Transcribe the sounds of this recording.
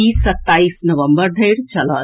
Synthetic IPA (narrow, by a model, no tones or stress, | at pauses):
iːsːɐt̪ːaːiːsnɐʋə̃mbəɾd̪ʱɐjɽt͡ʃɐlə